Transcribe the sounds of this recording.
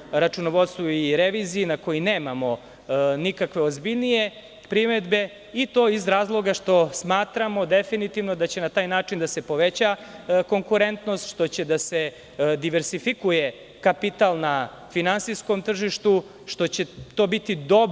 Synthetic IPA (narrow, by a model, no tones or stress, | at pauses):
ɾat͡ʃunoʋo̞t̪st̪ʋoiɾeʋizijinako̞jineːmamo̞ | nikakʋe̞ozbiʎnije̞ | pɾimed̪be̞ | it̪o̞ːizɾaːzlˠo̞ɡaʂt̪o̞smaːt̪ɾamo̞d̪e̞finit̪iʋnod̪at͡ɕe̞nat̪aːjnaːʈ͡ʂind̪ase̞po̞ʋe̞t͡ɕako̞ŋkuɾe̞nt̪no̞st̪ʃt̪o̞t͡ɕe̞d̪ase̞ | d̪iʋeɾsifikuje̞ | kapit̪alˠna | finansisko̞mt̪r̩ʒiʃt̪u | ʃt̪o̞t͡ɕe̞t̪o̞ːbit̪id̪o